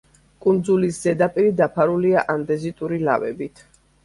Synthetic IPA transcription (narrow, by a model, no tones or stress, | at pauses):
kʼund̪zulisz̥ɛd̪apʼiɾid̪apʰaɾuliaʔamd̪ɛzit̪ʼuɾila̰vɛ̰bit̪ʰ